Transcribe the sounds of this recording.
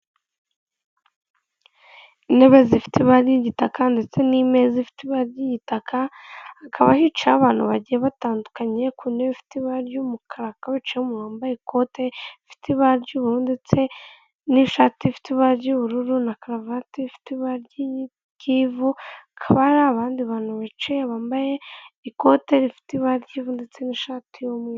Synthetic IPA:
ineβezifi̥tiβaɾɟiɟitakande̞t͡se̞nime̞zifi̥tiβaɾɟiɟitakʰaakʰaβahit͡ʃaβaːn̥huβaɟijeβataːndukaɲe̞kʰuneβifi̥tiβaɾjumukʰaɾakaβit͡ʃiumuɾoːmbaikʰoteifi̥tiβaɾɟuːβuɾundet͡se̞ | niʃaːtifi̥tiβaɾɟuːβuɾuɾunakaɾavatifi̥tiβaɾɟiji | kivuakʰaβaɾaβaːndiβaːnuβat͡ʃijeβaːmbajeikoteɾifi̥tiβaɾɟiːvundet͡se̞niʃaːtʰijome

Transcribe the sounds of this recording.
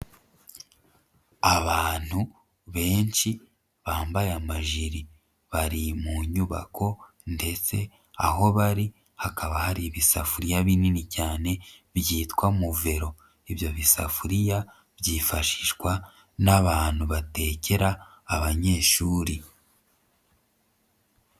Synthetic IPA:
aβaːn̥hu | βe̞ːnʃi | βaːmbajamaʒiɾi | βaɾimuɲuβa̰kʰo̞ | nde̞t͡se̞ | aɦo̞βaɾi | hakʰaβahaɾiβisa̰fuɾijaβininicaːne̞ | βjiːtwamuve̞ɾo̞ | iβjo̞βisa̰fuɾija | βjiːfaʃi̥ʃkwa | naβaːn̥huβate̞ːce̞ɾaː | βaɲe̞ːʃuːɾi

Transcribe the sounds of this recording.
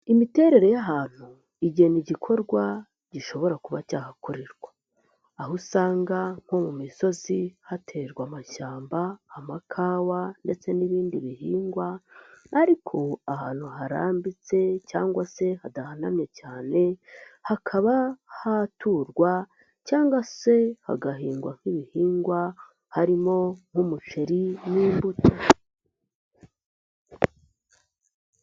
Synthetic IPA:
imite̞ːɾe̞ɾe̞jaɦaːn̥hu | iɟe̞niɟikʰo̞ɾɡwa | ɟ̥iʃo̞βo̞ɾakuβacaːhakuɾiɾɡwḁː | ɦusaːŋɡaŋ̥ho̞mumiso̞zihatʰe̞ɾɡwamaʃaːmbaːmakʰaːwande̞t͡se̞niβiːndiβihiːŋɡwaaɾikʰo̞ahaːn̥huɦaɾa̰ːmbit͡se̞caːŋɡwase̞hadahanamɲecaːne̞hakʰaβahatuːɾɡwa | caːŋɡwase̞ha̰ɡaɦiːŋɡwaŋ̥iβihiːŋɡwa | haɾimo̞ŋ̥humut͡ʃeɾiniːmbutʰo

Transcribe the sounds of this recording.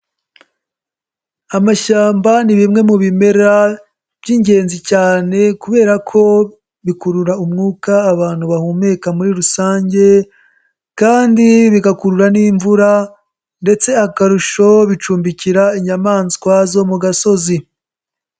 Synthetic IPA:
amaʃaːmbaniβimŋe̞muβime̞ɾa | b̥jiːɲɟe̞ːnzicaːne̞kuβe̞ːɾakʰo̞ | βikuɾuɾaumŋuːkaːβaːn̥huβahuːme̞kamuɾiɾusaːɲɟe̞ | kaːndiβiɡakuɾuɾaniːɱvuɾa | nde̞t͡se̞akaɾuʃo̞βit͡ʃuːmbiciɾaiɲamaːnzikwaːzo̞muɡaso̞zi

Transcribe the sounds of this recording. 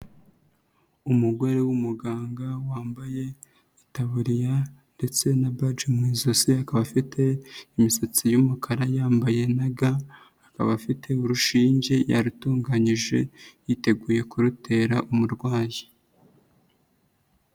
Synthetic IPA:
umuɡo̞ɾewumuɡaːŋɡawaːmbaje̞ | itaβuɾijande̞t͡se̞nabad͡ʒemwiːzosiakaβafitʰe̞imisat͡sijumukʰaɾajaːmbaje̞naɡaː | ka̰βafitʰe̞uɾuʃiːɲɟe̞ja̰ɾutuːŋɡaɲiʒe̞̰jite̞ɡuːje̞kuɾute̞ɾaʔumuɾɡwaːji

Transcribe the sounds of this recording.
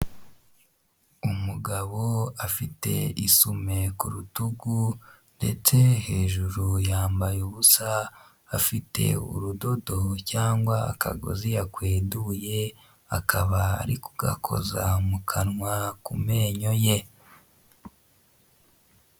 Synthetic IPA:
umuɡaβo̞afite̞̰isume̞kuɾutuɡu | nde̞̰t͡se̞he̞ːʒuɾujaːmbajuβusaː | fite̞̰ṵɾudo̞do̞caːŋɡwaa̰kʰa̰ɡo̞̰zijakweːduje̞ | akʰaβa̰ːɾikuɡ̥a̰kʰo̞̰zamukʰanŋwakume̞ːɲo̞je

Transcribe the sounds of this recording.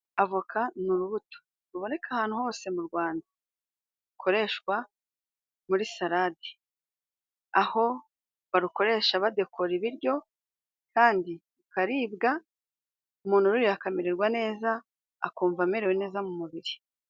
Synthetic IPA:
avukʰanuɾuβuto̥ | ɾuβo̞ne̞kahaːn̥uho̞ːse̞muɾɡwaːnda | ukʰo̞ɾe̞ʃwa | muɾisaɾadi̥ | aho̞ | βaɾuko̞ɾe̞ʃaβade̞kʰoɾiβiɾjo̞ | kaːndi | ukaɾiːbɡa | umuːn̥uɾuɾijakamiɾeɾɡwane̞ːza̰ː | kuːɱvameɾewene̞ːzamumuβiɾi

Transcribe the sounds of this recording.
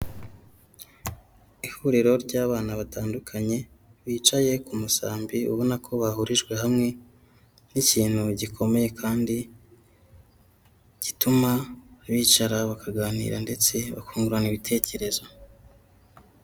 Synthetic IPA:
ihuɾiɾo̞ɾɟaːβaːnaβataːndukʰaɲe̞ | βiːt͡ʃaje̞kumusaːmbiṵβo̞nakʰo̞βahuɾiʒɡwe̞ɦamŋe̞ | niciːn̥huɟikʰo̞me̞je̞kʰaːndi | ɟ̥itumaβiːt͡ʃaɾaβakaɡaːnḭɾande̞t͡se̞βa̰kuːŋɡuɾaniβitʰe̞ːce̞ɾe̞zo

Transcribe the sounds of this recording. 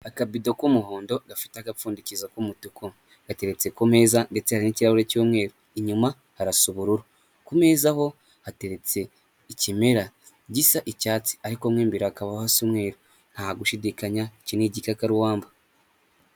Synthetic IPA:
akabidokumuhoːndo̞ɡafi̥taɡafuːndicizakumutuko | ɡ̥ate̞ɾe̞t͡se̞kome̞ːzande̞t͡sehaɾiniciɾahuɾecoːmŋe̞ːɾo | iɲuma | haɾasuβuɾuɾo | kume̞ːzaho̞ | hate̞ɾe̞t͡se̞ | icimeɾa | ɟisaʔicaːt͡si̥aɾiko̞mŋiːmbiɾaakaβahasumŋe̞ːɾo | n̥haːɡuʃidikaɲaiciniɟikakaɾuwaːmba

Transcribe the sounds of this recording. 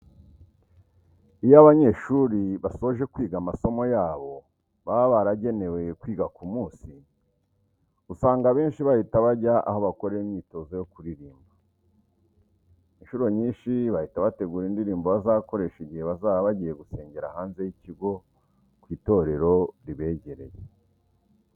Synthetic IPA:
ijoaβaɲe̞ʃuɾiβaso̞ʒe̞kwiːɡamaso̞mo̞jaːβo̞ | βaβaɾaɟe̞ne̞we̞kwiːɡakumuːsi | usaːŋɡaβe̞ːnʃiβahitaβaɾɟaʔa̰ho̞βakoɾeimɲiːto̞ːzojokuɾiɾiːmba | inʃuɾo̞ɲiːnʃiβahitaβate̞ɡuːɾindiɾiːmboβazaːβko̞ɾe̞ʃiɟiheβazaːaβaɟije̞ɡuse̞ːɲɟe̞ɾahaːnze̞jiciɡo̞ | kwiːto̞ɾe̞ɾo̞ɾiβe̞ːɟe̞ɾe̞̰je

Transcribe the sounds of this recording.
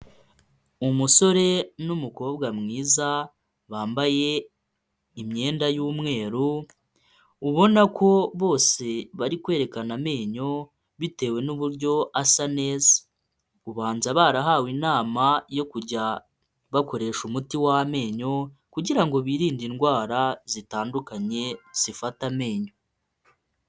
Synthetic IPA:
umuso̞ɾe̞numuko̞ːbɡamŋiːza | βaːmbaje̞ | imɲe̞ːndajuːmŋe̞ːɾu | uβo̞nakʰo̞βo̞ːse̞βaɾikwe̞ːɾe̞kaname̞ːɲo̞ | βite̞ːwe̞nuβuɾɟo̞asane̞ːzḁ | uβaːnzaβaːɾaɦaːwinaːmajo̞kuɟa | βako̞ɾe̞ʃumutiwame̞ːɲo̞kuɟiɾaŋɡo̞βiɾiːndinɡwaːɾazitaːndukaɲe̞z̥ifatame̞ːɲo̞

